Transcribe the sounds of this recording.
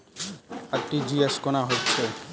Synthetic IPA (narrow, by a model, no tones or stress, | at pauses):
aʈːid͡ʑieskonaɦotːt͡ɕʰe